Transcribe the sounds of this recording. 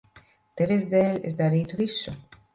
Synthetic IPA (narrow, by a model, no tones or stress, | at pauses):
t̪evezd̪eːlʲesd̪aɾiːt̪uvisːu